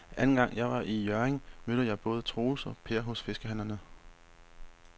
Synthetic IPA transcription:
ʔænn̩ɡ̥ɑ̈ŋ̰jɑ̈ɪʋɑ̈ʔijœɐeŋmød̥əjɑ̈ɪb̥ɔ̽ːð̞ˠət͡sʰʁo̝ːl̩sɒ̽pʰe̝ːɐɦɔ̽sfe̝sɡ̥əɦænɐnə

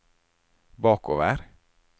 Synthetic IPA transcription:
bɑːko̰ːʋəɾ

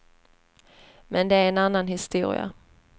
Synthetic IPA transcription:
mɛnd̪ɛæɾɛnanːanɦɪst̪uːɾɪ̰a̰

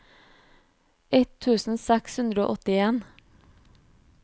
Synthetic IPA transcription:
ɛt̪ʰʉːsn̩sɛkshʉnd̪ɾəo̰ːʔɔt̪ɪeːn

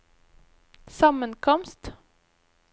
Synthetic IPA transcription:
samːənkʰɔmst̪

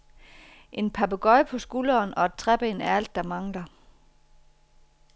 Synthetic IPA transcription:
ʔe̝npʰɑ̈b̥əɡ̥ɒ̽ɪpʰɒ̽sɡ̥ulɐːnɒ̽ed̥̚t͡sʰʁɛb̥eːnæɐæl̰d̥ːɑ̈mɑ̈ŋlɐ

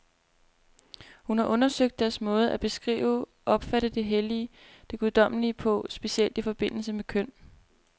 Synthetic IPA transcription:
hunhɑ̈ʔɔ̽nɐsøɡ̥̚d̥ːæɐsmɔ̽ːð̞̩ˠæb̥e̝sɡ̥ʁḭːʊ | ʔɒ̽b̥fæɾ̥əd̥e̝ɦeliəd̥e̝ɡ̥uðˠd̥ɒ̽m̰liəpʰɒ̽sb̥e̝siel̰d̥ifɒ̽b̥e̝n̰l̩səmekʰøn̰

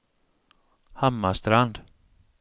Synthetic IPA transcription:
hamːast̪ɾand̪̥

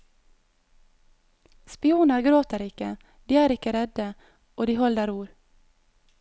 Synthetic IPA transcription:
spɪuːnəɾɡɾoːt̪əɾɪkə | d̪̥iːæːɾɪkəɾɛd̪ə | ʔoːd̪iːhɔld̪əɾuːɾ

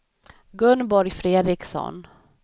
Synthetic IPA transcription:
ɡɵnbɔɾjfɾeːd̪ɾɪksɔ̰n

